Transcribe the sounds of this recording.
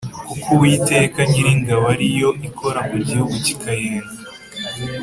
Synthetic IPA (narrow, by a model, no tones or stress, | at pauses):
kukʰuwiːte̞ːkaɲiɾiŋɡawaɾijo̞ʔikʰo̞ɾamuɟihuɡuci̥kajeːna